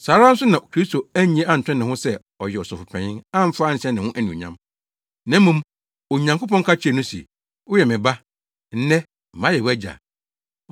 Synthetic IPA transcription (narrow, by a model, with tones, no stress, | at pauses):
saː˨˦ɾã˦n̩˦sʊ˦nã˨kʰɾi˦sto˨æ˦ɲĩ˨˦e˦ʔa˦n̩˨tʰᶣɪ̃˦nɪ̃˨hʊ̃˦sɛ˦ | ɔ˨jɛ˨ɔ˨sʊ˨fʊ˨pʰɛ̃˨ɲɪ̃˦ã˦m̩˦faː˦n̩˨ɕɛ̃˦nɪ̃˨hʊ̃˦ʔæ˦nĩ˨ɲã̰˦m | nã˦m˦mũ˦m | o˨ɲã˨ŋko˦pɔ̃˦ŋ˦kʰa˦t͡ɕʰi˦ɛ˨nʊ̃˦sḭ˨ | ʊ˦jɛ˨mɪ̃˨ba˦ | n̩˦nɛ̃˦ | m̩˨mã˦jɛ˨wɛ˦d͡ʑa̰˨